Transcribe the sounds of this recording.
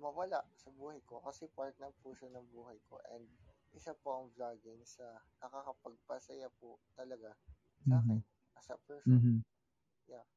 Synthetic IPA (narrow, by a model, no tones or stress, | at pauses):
mɐwɐlaʔsɐbuːhɐjkokɐsɛpaɹt̪̚nɐpuʃanɐŋbuːhɐjko̰ʔɛ̰nd̪̚ | ʔɪsapoʔɐŋblaːɡɪŋsɐnɐkakɐpɐɡ̚pɐsɐjapʊt̪ɐlɐɡa | sɐ | ɐsɐ̰pɛɾs | ja